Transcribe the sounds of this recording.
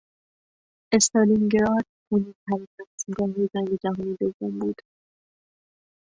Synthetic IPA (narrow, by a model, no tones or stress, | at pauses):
est̪ɑːlimɡeɾɒd̪ | honint̪ʰæɾit̪ʰæsimɡɒːɦed͡ʒæŋɡed͡ʒæɦɔːnid̪ovːombuːd̪̥